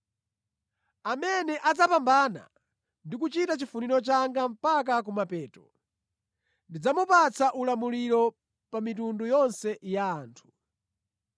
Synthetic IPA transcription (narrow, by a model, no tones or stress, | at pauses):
amɛnɛʔad͡zapambana̰ | ndik̬ut͡ʃitat͡ʃifuniɾɔt͡ʃaŋɡam̩pak̬ak̬umapɛːtɔ | ndid͡zamupat͡saʔulamuliɾɔ | pamitundujɔnsɛjaːntʰu̥